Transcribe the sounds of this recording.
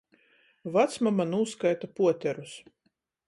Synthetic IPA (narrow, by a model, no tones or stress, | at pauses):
vat̪smamanuːskajt̪apuɔt̪ʲɛɾus